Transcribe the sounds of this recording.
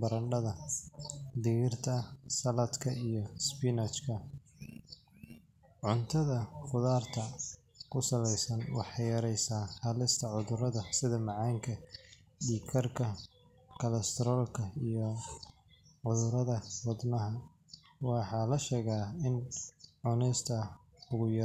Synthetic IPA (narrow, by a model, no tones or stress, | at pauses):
bɐɾɐɳɖɐðɐ | d̪ɪɣɪrt̪ʰɐsɐlɐd̪kʰɐijɞspɪnɐt͡ʃkʰɐ | ʕʊnt̪ʰɐðɐχʊðaːrt̪ʰɐ | kʰʊsɐlɛjsɐnwɑ̰ħɑjɐɾɛjsaːhɐlɪst̪ʰɐʕʊðʊɾɐðɐsɪðɐmɑʕɑːŋkʰɐ | ɖiːkʰɐrkʰɐ | kʰɐlɐst̪ʰɛɾɔːlkʰɐijɔ | ʕʊðʊɾɐðɐwɐd̪nɐɦɐ | wɑħɑːlɐʃɛːɣaːɪnʕʊnɛjst̪ʰɐ | ʊɣʊjɐ